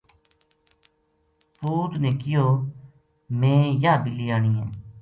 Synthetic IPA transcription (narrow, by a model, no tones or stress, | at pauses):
puːt̪neːkɪjoː | mẽːjaːbɪliːaːɳ̃iːɦɛ̃ː